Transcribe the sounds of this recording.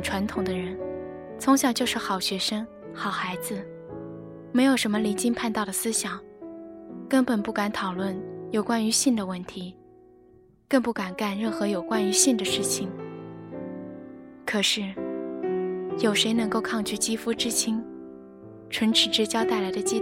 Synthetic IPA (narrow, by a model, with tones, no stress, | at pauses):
nʈ͡ʂʰwa˧˥nt̪ʰʊ˨˩ŋd̪ə˦ɻə˧˥n | t͡sʰʊ˧˥ŋɕjɑ˨˩ŋt͡ɕjo˥˧ʊʂɻ̩˥˩xɑ˨˩ʊɕɥɛ˧˥ʂə˥ŋ | xɑ˨˩ʊxa˧˥ɪd͡zɹ̩˧ | me˧˥ɪjo˨˩ʊʂə˧˥nmə˧li˧˥nt͡ɕi˥ŋpʰa˥˧nt̪ɑ˥˩ʊd̪ə˩sɹ̩˥ɕjɑ˨˩˦ŋ | kə˥npə˨˩npu˥˩ka˧˥nt̪ʰɑ˨˩ʊlwə˥˩njo˨˩ʊkwa˥ny˧˥ɕi˥˩nd̪ə˩wə˥˩nt̪ʰi˧˥ | kɤ˥˧ŋpu˥˩ka˨˩nka˥˩nɻə˥˩nxɤ˧˥jo˨˩ʊkwa˥ny˧˥ɕi˥˩nd̪ə˩ʂɻ̩˥˩t͡ɕʰi˨˩ŋ | kʰɤ˨˩ʂɻ̩˥˩ | jo˨˩ʊʂe˧˥ɪnɤ˧˥ŋko˥˧ʊkʰɑ˥˧ŋt͡ɕʰy˥˩t͡ɕi˥fu˥ʈ͡ʂɻ̩˥˩t͡ɕʰi˥ŋ | ʈ͡ʂʰwə˧˥nʈ͡ʂʰɻ̩˨˩ʈ͡ʂɻ̩˥t͡ɕjɑ˥ʊt̪a˥˩ɪla˧˥ɪd̪ə˧t͡ɕi˥˧